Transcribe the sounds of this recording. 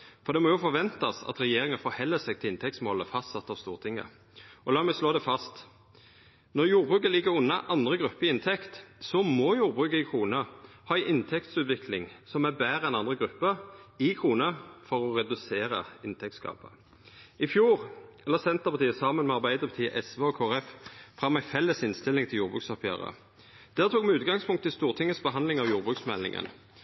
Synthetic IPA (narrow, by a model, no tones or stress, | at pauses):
fɔɾd̪ɛmɔjʊfɔʋɛnt̪ɑsɑ̰t̪ɾɛjeːɾɪŋənfɔɾhɛlːəsɛɡ̚t̪ʰɪlɪnt̪ʰɛk̚t̪smɔləfɑst̪sɑt̪ːɑːʋst̪ṵːʁt̪ʰɪŋːə̰ | ɔlɑːmɛsloːd̪ɛfɑst̪ | nɔʁjuːɾbʁʉːkəlɪɡːəɾʊnːɑʔɑnd̪ʁəɡʁʉpːəɾɪɪnt̪ʰɛkt̪sɔmɔjuːɾbʁʉːkəɪkʰʁuːnə | hɑːæɪʔɪnt̪ʰɛkt̪sʉːt̪ʋɪkʰlɪŋsɔmæbæːɾəɛnɑnd̪ʁəɡʁʉpːəɪkʰʁuːnəfɔʁɔʁɛd̪ʉseːʁə̰ɪnt̪ʰɛk̚t̪skɑ̰ːpə̰ | ɪfjuːʁɛlːəsɛnt̪əʁpʰɑt̪iːəsɑmənmɛɑʁbæɪd̪əpʰɑt̪ʰiːəʔɛsʋeɔkʰoːʁɛffʁɑmːæɪfɛlːəsɪnst̪ɪlːɪŋt̪ʰɪljuːʁbʁʉːksɔpʰjæ̰ːʁə̰ | d̪̥æːʁt̪ʰuːɡmɛʉːt̪̚ɡɑŋspʰʊŋkt̪ːɪlst̪uːʁt̪ʰɪŋːəsbəɦɑnd̪lɪŋɑʋjuːʁbʁʉksmɛlːɪ̰ŋə̰n